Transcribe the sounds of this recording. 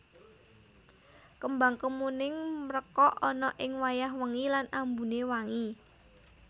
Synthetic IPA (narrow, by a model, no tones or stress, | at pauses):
kəmbaŋkəmunɪŋməɾəkɔʔɔnɔʔɪŋwajaɦwəŋilanambṳnewaŋi